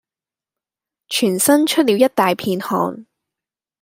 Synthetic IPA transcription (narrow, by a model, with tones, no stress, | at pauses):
t͡ʃʰyː˨˩nsɐ˥nt͡ʃʰɵ˥t̚liː˨˧wjɐ˥t̚t̪aː˨jpʰiː˧nhɔ̰ː˧n